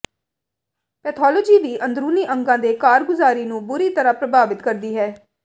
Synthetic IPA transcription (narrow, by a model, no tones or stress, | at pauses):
pɛːt̪ʰɔːloːd͡ʒiːʋiːʔənd̪ɾuːniːʔəŋɡãːd̪eːkaːɾɡʊzaːɾiːnũːbʊɾiːt̪əɾãːpɾəbaːʋɪt̪kəɾd̪iːɦɛː